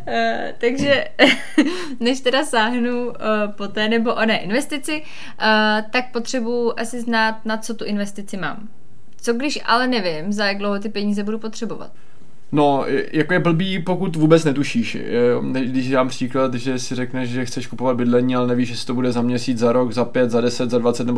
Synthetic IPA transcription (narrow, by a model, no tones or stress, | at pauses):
t̪aɡʒɛ | nɛʃt̪ɛdasaːɦnu | po̞t̪ɛːnɛbo̞ʔonɛːʔɪnvɛst̪ɪt͡sɪ | t̪ak̚po̞t̪r̝̥ɛbujʊʔasɪznaːt̪̚nat͡so̞t̪uʔɪnvɛst̪ɪt͡sɪma̰ːm | t͡so̞ɡdɪʃʔa̰lɛnɛvɪmzajaɡ̚dlowɦot̪̬ɪpɛɲiːzɛbudupo̞t̪r̝̥ɛbo̞va̰t̪ | nojakojɛbl̩biːpo̞kut̪vuːbɛt͡snɛt̪uʃiːʃ | nɛɡdɪʃdaːmpr̥iːklat̪ʒɛsɪrɛknɛʃʒɛxt͡sɛʃkupovat̪̚bɪdlɛɲiːalɛnɛviːʃʒɛsɪ̥t̪obudɛzamɲɛsiːt͡szaɾo̞kzapjɛt̪zadɛsɛt̪zadvat͡sɛt̪nɛbo